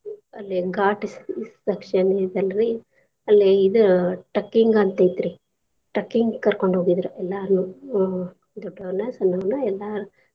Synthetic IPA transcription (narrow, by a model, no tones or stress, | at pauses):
ɐlːiɡaːʈisisd̪ɐkʂɐnid̪ɐlːɾi | ɐlːiid̪uʈɐkːiŋɡɐnt̪ejt̪ɾi | ʈɐkːiŋɡkɐɾkoɳɖʱɦoːɡid̪ɾuʔɛlːaːɾnu | d̪ɔɖːɐɐnɐsɐnːɐnuɛlːaːɾu